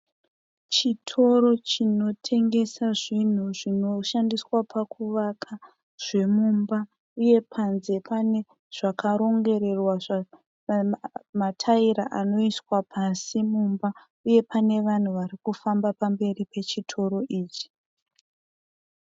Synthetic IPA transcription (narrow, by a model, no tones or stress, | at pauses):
t͡ʃitʰo̞ɾo̞t͡ʃino̞tʰe̞ŋɡe̞saʐin̤uʐino̞ʃandiswapʰakuʋakʰa | ʐ̥e̞mumba | uje̞pʰanze̞pane | ʐ̥akʰaɾo̞ŋɡe̞ɾe̞rwaʐa | matʰaiɾaʔano̞iswapʰasimumba | uje̞pʰane̞ʋan̤uʋaɾikufambapambe̞ripe̞t͡ʃitʰo̞ɾo̞ʔiːt͡ʃi̥